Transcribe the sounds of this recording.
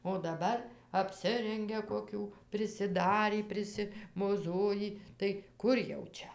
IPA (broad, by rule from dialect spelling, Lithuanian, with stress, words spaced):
oː dɐˈbɐr ɐpʲˈsʲɪrʲɛŋʲɡʲɛ koːˈkʲuː pʲrʲɪsʲɪˈdɑːrʲiː pʲrʲɪsʲɪmoːˈzoːjiː tɐɪ ˈkʊr jɛʊ ˈt͡ʃʲɛ